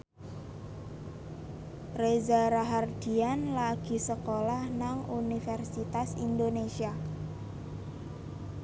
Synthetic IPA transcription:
rezaɾaɦard̪̥i̤anlaɡ̥i̤səkolahnaŋunifɛrsit̪asind̪onesia

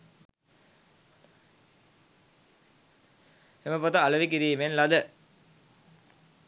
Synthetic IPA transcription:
eməpot̪əaləʋikiɾiːmenlad̪ə

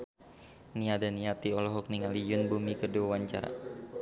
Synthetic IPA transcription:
niadaniat̪iɔlɔɦɔk̚niŋalijʊnbumikəduawaɲt͡ʃa̰ɾa̰

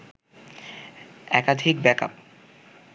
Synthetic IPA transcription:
ɛkad̪ʱik̚bɛka̰p

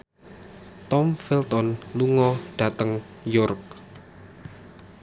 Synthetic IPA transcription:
t̪ɔmfilt̪ɔnluŋɔɖ̥ä̤t̪əŋ | jɔrk̚

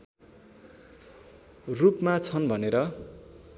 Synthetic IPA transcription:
rupmat͡sʰʌnbʱʌneɾʌ

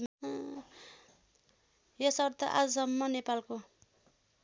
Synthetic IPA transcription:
m | jʌsʌɾt̪ʌʔa̰d͡zusʌmːʌnepalko

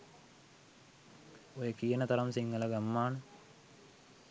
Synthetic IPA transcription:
ojəkijənət̪ɐɾɐmsiŋːəlɐɡamːaːnə

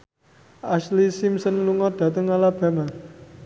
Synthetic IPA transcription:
ʔaslisimsənluŋɔd̪̥ä̤t̪əŋalab̥a̤ma

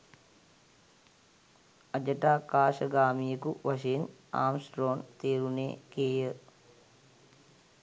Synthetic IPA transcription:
ɐd͡ʒəʈaːkaːʃəɡaːmijəkuʋaʃejena̰ːmsʈɾoːnt̪eːɾunḛːkeːjə

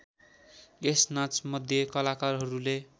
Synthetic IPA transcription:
esnat͡smʌd̪ʱjʌkʌlakarɦʌɾule

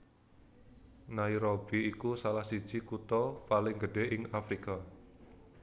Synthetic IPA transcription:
naiɾob̥iikusalahsi̥ʒ̥ikut̪ɔpalɪŋɡəɖ̥eʔɪŋafɾika

